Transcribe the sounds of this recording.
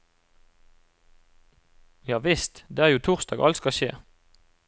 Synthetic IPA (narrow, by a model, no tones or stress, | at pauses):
jɑːʋɪst̪d̪eːæːʁjuːt̪ʰʊʁsd̪ɑːɡʔɑ̰lskɑʃḛː